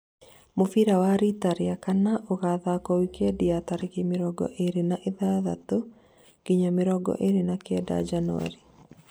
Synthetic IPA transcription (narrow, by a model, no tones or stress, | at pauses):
mofiɾawaɾitaɾeakanaʔoɣaðakɔwikɛdiataɾekemeɾɔɡɔ̰ʔeɾenaʔeðaða̰to | kiɲameɾɔɡɔ̰ʔeɾenakɛda̰d͡ʒanwa̰ɾi